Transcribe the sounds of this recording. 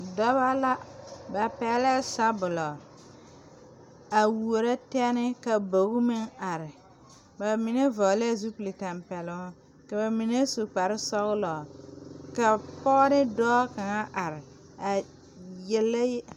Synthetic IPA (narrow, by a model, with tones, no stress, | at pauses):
dɔ˦βa˦la˦ba˨pɛ˨˦lɛ˦sa˦bʊ˨lɔ˨ | a˨wu˨o˨ɾa˦tɛ˦ɛ˦nɪ˦ka˨bo˨ɣu˦mɪ˦ŋa˨ɾɪ˨ | ba˨mɪ˨ne˦vɔ˨˦lɛ˦˨zu˦pu˨li˨ta˨mpɛ˨lʊ˦ŋ˦ | ka˨ba˨mi˨ne˦su˨k͡pa˨ɾɪ˦sɔ˦ɣlɔ˨ka˨pɔː˦ɾɪ˦dɔː˦ka˨ŋa˦ʔa˨ɾɪ˨ | a˨ | jɛ˨la˦j